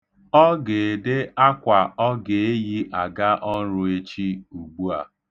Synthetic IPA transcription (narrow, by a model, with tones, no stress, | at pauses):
ɔ˦ɡe˨dɪ˦a˦kʷa˨ɔ˦ɡe˨e˦ji˦ʔa˨ɡa˦ʔɔ˦n̩˦ɾʊ˦e˦t͡ʃi˦u˨ɡ͡bu˦a̰˨